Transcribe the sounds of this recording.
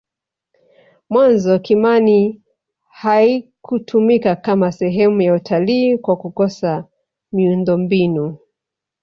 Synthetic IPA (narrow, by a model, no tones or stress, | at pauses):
mwanzɔkimani | haikʰutʰumikakamasɛɦɛmujautʰaliːkwakukɔsa | miundɔmbinu